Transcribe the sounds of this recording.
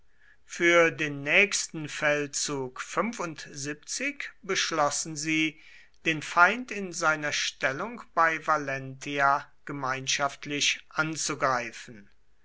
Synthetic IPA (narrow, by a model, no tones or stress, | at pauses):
fyːɐdeːnːɛːçstn̩fɛlt͡suːkfʏmvʊntzip̚t͡sɪkbəʃlɔsn̩ziː | d̥eːnfaɪntɪnzaɪnɐʃtɛlʊŋkb̥aɪvalɛntʰiaɡ̥əmaɪnʃaftʰlɪʃʔant͡suɡʁaɪfən̩